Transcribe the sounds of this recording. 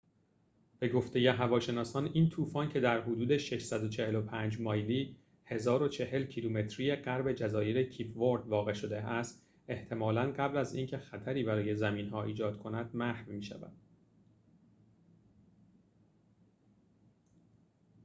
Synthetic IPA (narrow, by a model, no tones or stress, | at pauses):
b̥e̞ɡo̞ft̪e̞je̞ɦævɒːʃe̞nɒːsɒːniːnt̪ʰuːfɒːncʰe̞d̪æɾɦod̪uːd̪e̞ʃe̞ʃsæd̪o̞t͡ʃʰe̞he̞lopʰænd͡ʒmɒːjliː | he̞zɒːɾo̞t͡ʃʰe̞he̞lcʰiluːme̞t̪ʰɾije̞ɢæɾbe̞d͡ʒæzɒːjeɾecʰiːpʰvoɾd̪vɒːɣe̞ʃo̞d̪e̞ʔæst̪ | e̞ht̪ʰe̞mɒːlænɢæblæziːncʰe̞xæt̪ʰæɾiːbæɾɒːje̞zæmiːnɦɒːʔiːd͡ʒɒːd̪̥̚kʰonæd̪̥̚mæhvmiːʃæ̰væ̰d̪̥